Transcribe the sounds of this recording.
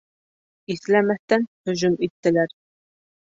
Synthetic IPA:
iθlæmæθt̪ænhɵ̆ʒʊmit̪ːɪ̆læɾ

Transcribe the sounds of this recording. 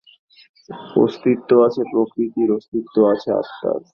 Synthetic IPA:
o̰st̪ɾit̪ːoat͡ɕʰepɾokɾit̪iɾost̪ɾit̪ːoat͡ɕʰea̰st̪a̰ɾ

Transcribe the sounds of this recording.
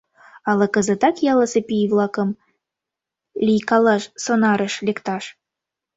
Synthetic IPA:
ɑlˠɤkə̆zə̆t̪ɑkjɑləsepivlˠɑkə̆m | lʲijkɑlɑʃsonɑɾə̆ʃlekt̪ɑʃ

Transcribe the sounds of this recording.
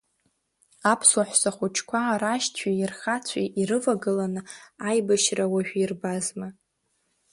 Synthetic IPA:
apʰswaħʷsaχʷut͡ʃʰkʷʰaɾaʃtʰiɪrχat͡sʷʰiʔiɾɨvaɡɨlanɨajbaʃrawaʒᶣʷirbazma

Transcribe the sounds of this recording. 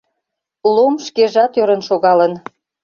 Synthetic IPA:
lomʃkeʒɑt̪øɾənʃoɣɑlən

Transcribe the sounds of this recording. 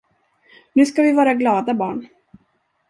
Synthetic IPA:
nʉ̟ːskavɪvɑːɾaɡlɑːd̪abɑ̰ːɳ

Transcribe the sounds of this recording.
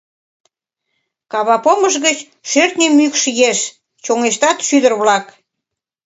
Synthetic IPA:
kɑβɑpoməʃɣət͡ɕ | ʃørt̪nʲemykʃjeʃ | t͡ɕoŋeʃt̪ɑt̪ʃyd̪ərβlɑk

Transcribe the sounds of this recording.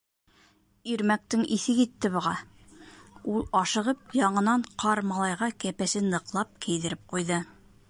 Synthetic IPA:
iɾmæk̚t̪ɘŋʔiθɘkit̪ːɘβŏʁɑ | ulˠɑʃɤ̆ʁɤp̚jɑɴɤ̆nɑɴqʰɑɾmɑlˠɑjʁɑkæpæsɘnːɤ̆qlˠɑp̚kʰɘ̆jðɘ̆ɾɘp̚qujðɤ

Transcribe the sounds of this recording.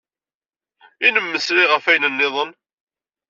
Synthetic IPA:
inəmːəsɾiʁəfæjnənːɪðˤən

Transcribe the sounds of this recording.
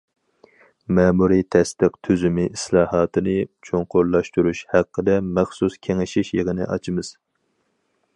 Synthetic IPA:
mɛːmuɾit̪ʰɛst̪ɨqt̪ʰyzymɪʔislˠɑːhɑːt̪ɨnɨt͡ʃʰoŋqʊɾlˠɑʃt̪uɾuʃhæqʰːəd̪ɛmæχsuskʲʰeŋɪʃiʃjəʁənɨ̰ʔɑ̰t͡ʃʰimɨz̥

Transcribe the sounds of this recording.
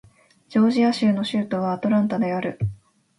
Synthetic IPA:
d͡ʑo̞ːʑijaɕɨːno̞ɕɨːt̪o̞βat̪o̞ɾãnt̪ad̪e̞aɾɯ̟

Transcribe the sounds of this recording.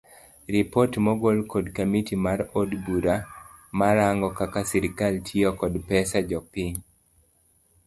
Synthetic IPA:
ripotmɔɡolkɔdkamitimaɾodbuɾamaɾaŋɡɔkakasiɾkaltʰiɔkɔdpɛsad͡ʒɔpiɲ

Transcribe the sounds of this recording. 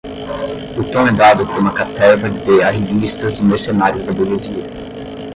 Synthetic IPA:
ʊt̪õɛd̪ad̪ʊpoɾũmɐkat̪ɛvɐd̪eaɦevist̪ɐzimeɾsenaɾjʊzd̪ɐboɡeziɐ

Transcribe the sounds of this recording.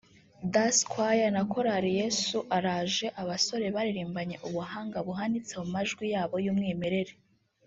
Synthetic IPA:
daskwajanako̞ɾaɾije̞suʔaɾaːʒe̞ʔaβaso̞ɾe̞βaɾiɾiːmbaɲe̞ʔuβuɦaːŋɡaβuɦanit͡semumaʒɡwijaːβo̞jumŋiːme̞ɾe̞ɾe

